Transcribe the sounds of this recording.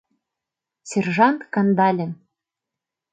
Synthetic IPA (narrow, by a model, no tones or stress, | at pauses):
sʲerʒɑnt̪kɑnd̪ɑlʲɘ̆n